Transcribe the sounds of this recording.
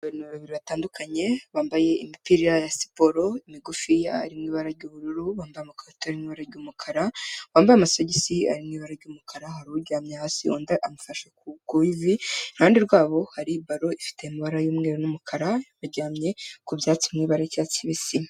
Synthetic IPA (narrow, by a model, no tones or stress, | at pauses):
βaɾinuββaβiɾiβataːndukʰaɲe̞βaːmbaje̞imipiɾiɾajasi̥po̞ɾo̞imiɡufijaːɾimŋiːβaɾaɾɟuːβuɾuɾuβaːmbajamakoɾtaɾimŋiːβaɾaɾɟumukʰaɾawaːmbajamasoɟisia̰ɾimŋiːβaɾaɾɟumukʰaɾahaɾuuɟaːmɲehaːsioːndaʔamufaʃekuɡuivihaːndiɾɡwaːβo̞haɾibaɾo̞ifi̥te̞imiβaɾajumŋe̞ɾonumukʰaɾaβaɾɟaːmɲe̞kubjaːt͡simŋiːβaɾacat͡siβisi